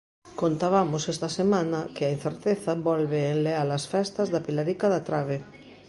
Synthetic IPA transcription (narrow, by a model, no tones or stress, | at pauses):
kont̪aβ̞amosest̪asemãnakeain̟θeɾt̪eθabɔlβeːnlealasfɛst̪azðapilaɾikaðat̪ɾaβ̞e